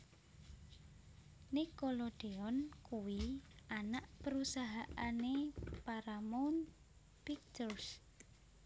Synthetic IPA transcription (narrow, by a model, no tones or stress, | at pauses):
nikoloɖ̥eɔnkuwianaʔpəɾusaɦaʔanepaɾamɔn | pik̚t̪ɔrs